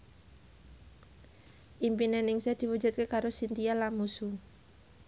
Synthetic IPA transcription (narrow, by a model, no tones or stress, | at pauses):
ʔimpinenɪŋsed̪̥i̤wud͡ʒut̪̚kekaɾosint̪ialamusu